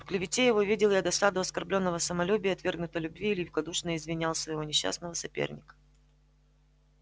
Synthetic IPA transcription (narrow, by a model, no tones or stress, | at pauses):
fklʲɪvʲɪtʲejɪvo̞vʲidʲɪlˠjad̪ɐsad̪ʊɐskɐrblʲo̞nːəvəsəmɐlʲubʲɪjəɐt̪vʲe̞rɡnʊt̪əlʲʊbvʲiːlʲɪvʲɪkɐd̪uʂnəɪzvʲɪnʲalˠsvəɪvonʲɪɕːa̰snəvəsɐpʲḛrnʲɪkə̥